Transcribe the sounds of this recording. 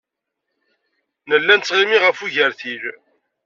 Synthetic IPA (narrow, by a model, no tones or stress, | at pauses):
nəlːænt͡sːʁimiʁəfuʝəɾθil